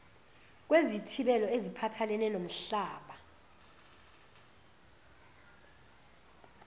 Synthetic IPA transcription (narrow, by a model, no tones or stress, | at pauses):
k̬wezitʰiɓɛlɔezipʰatʰalɛnɛnom̩ɬaːɓa